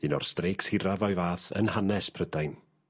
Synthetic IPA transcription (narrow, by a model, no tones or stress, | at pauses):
ɨnɔ̰rstrejkshɪɾavɔjvaːθə̰nhanɛspʰrədajn